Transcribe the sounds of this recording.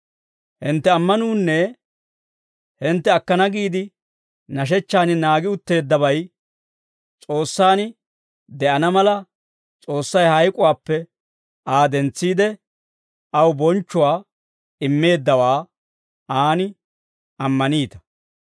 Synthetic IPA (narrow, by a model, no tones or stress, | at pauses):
hɪnt̪ːɛɐmːɐnuːnːɛ | hɪnt̪ːɛɐkːɐnɐɡiːd̪ɪ | nɐʃ̬ɛt͡ʃːaːnɪnaːɡɪʊt̪ːe̞ːd̪ːɐβɐj | t͡sʼo̞ːsːaːnɪ | d̪ɛʔɐnɐmɐlɐ | t͡sʼo̞ːsːɐjhɐjkʼʊwaːpːɛ | ʔaːd̪ɛnt͡sːiːd̪ɛ | ʔɐwbɔnt͡ʃːʊwaː | ɪmːe̞ːd̪ːɐwaː | aːnɪ | ɐmːɐniːt̪ɐ̥